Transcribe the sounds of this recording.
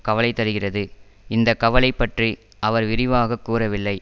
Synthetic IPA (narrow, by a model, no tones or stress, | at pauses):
kɐʋɐlɐɪt̪ːɐɾɯɣɪrɐðɯ | ɪnd̪ɐkɐʋɐlɐɪpːɐʈri | ɐʋɐɾʋɪɾɪʋaːɣɐkːuːrɐʋɪlːɐɪ